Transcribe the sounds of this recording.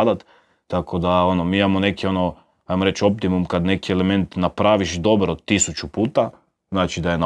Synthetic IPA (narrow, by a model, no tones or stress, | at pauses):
d̪at̪ː | akʰo̞d̪ao̞nomiːimamo̞ne̞kio̞no | ajmoɾet͡ʃo̞p̚t̪imumkad̪ne̞kieleme̞nt̪napɾaʋiʃd̪o̞bɾod̪̚t̪ːisut͡ʃupuːt̪a | znaːt͡ʃid̪ajena